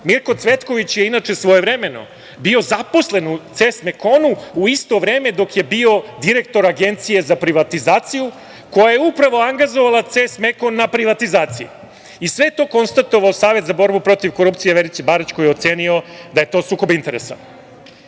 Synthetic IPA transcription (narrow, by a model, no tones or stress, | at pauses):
miɾko̞t̪sʋe̞t̪ko̞ʋit͡ɕjeinat͡ʂe̞sʋo̞jevɾemeno̞̰ | bio̞zapo̞sle̞nut̪sest̪me̞ko̞nuuist̪o̞ʋɾe̞ːme̞d̪o̞kje̞bio̞d̪iɾe̞k̚t̪o̞ɾaɡe̞nt̪sije̞zapɾiʋat̪izaːt̪siju | ko̞jaje̞upɾaʋo̞aŋɡazoʋalat̪sest̪meko̞nːapɾiʋat̪izaːt̪sijḛ | isʋe̞t̪o̞ːko̞nst̪at̪oʋaosaːʋe̞t̪zabo̞ɾbupɾo̞t̪iʋko̞ɾuptsijeʋeɾit͡ɕebaɾat͡ɕko̞jeo̞t̪se̞ːnio̞d̪aje̞t̪o̞ːsuːko̞bint̪e̞ɾesa̰